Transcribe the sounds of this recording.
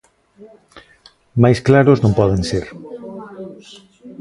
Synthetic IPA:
majsklaɾʊznõmpɔðẽŋseɾ

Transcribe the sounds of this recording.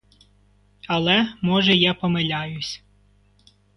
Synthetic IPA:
ɐlˠɛmɔʒɛjapɔmelʲajʊsʲ

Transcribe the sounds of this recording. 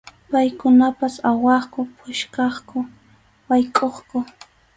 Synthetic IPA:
pajkʊnapasawɑχkʊpʰʊʃkɑχkʊ | wajkʼoχkʊ

